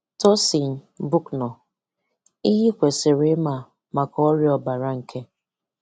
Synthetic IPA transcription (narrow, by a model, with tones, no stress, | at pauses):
tɔ˦si˨n̩˨ | bʊ˦knɔ˨ | i˦ɦi˦kʷe˨se˨ɾe˨˦ma˨ | ma˨kɔ˦ɔ˦ɾjɔ˨ba˨ɾa˦ŋ̩˨kʰe˦